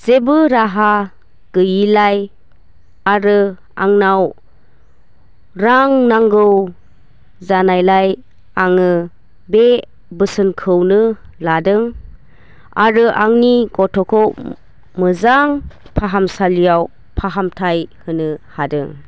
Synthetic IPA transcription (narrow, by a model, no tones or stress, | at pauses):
z̥ebɯɾaɦa | ɡ̥ɯjilaj | aɾɯ | aŋnaw | ɾaŋnaŋɡɯw | zanajlaj | aŋɯ | be | bɯsɯnkʰɯwnɯladɯŋ | a̰ɾɯʔaŋniɡɔtʰɔkʰɯw | mɯzaŋpʰaɦamsalijaw | pʰaɦamtʰajhɯnɯhadɯŋ